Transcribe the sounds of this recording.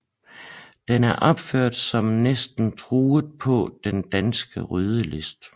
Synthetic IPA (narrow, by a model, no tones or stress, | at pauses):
d̥enæɐʔɒ̽b̥føɐ̰d̥sɒ̽mnesd̥n̩t͡sʰʁuːð̩ˠpʰɒ̽d̥end̥ænsɡ̥əʁyðˠəle̝sd̥